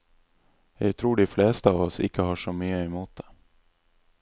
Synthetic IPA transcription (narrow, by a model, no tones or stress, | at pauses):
jɑɡt̪ʰɾuːɖɛflɛːst̪aːvɔsɪ̰kːəɦɑːʂɔmyːəɛmuːt̪̚d̪̥ɛ